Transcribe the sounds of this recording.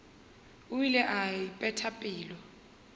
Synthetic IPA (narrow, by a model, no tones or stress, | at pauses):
uilɛʔaipʼɛtʰapʼiːlɔ